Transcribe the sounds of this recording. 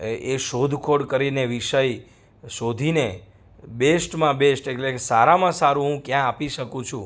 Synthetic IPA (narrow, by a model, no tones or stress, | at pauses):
eʃod̪ʱkʰoɽkəɾineʋiʃəj | ʃod̪ʱine | besʈmãbesʈeʈlekesaɾamãsaɾũɦũkjãːpiʃəkũt͡ʃʰṵ̃